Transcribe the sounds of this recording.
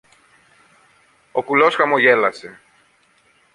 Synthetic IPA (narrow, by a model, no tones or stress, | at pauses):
o̞kulo̞sxɐmoʝe̞lɐse̞